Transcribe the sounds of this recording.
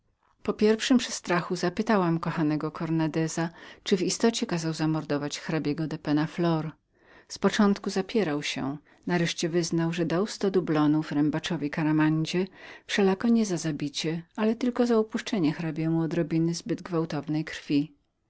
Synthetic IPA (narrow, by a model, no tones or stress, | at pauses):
pɔpʲjɛɾfʂɘmpʂɛst̪ɾaxuzapɘt̪awamkɔxanɛɡɔkʰɔɾnad̪ɛzat͡ʂɘvist̪ɔt͡ɕɛkazawzamɔɾd̪ɔvat͡ɕxɾabʲjɛɡɔd̪ɛpɛnaflɔɾ | spɔt͡ʂɔnt̪kuzapʲjɛɾawɕɛ̰ | naɾɛʂt͡ɕɛvɘznawʐɛd̪awst̪ɔd̪ublɔnuvɾɛmbat͡ʂɔvʲikaɾamaɲd͡ʑɛfʂɛlakɔɲɛzazabʲit͡ɕɛalɛt̪ɘlkɔzaupuʂt͡ʂɛɲɛxɾabʲjɛmuɔd̪ɾɔbʲinɘzbɘd̪ɡvawt̪ɔvnɛjkɾ̥fʲi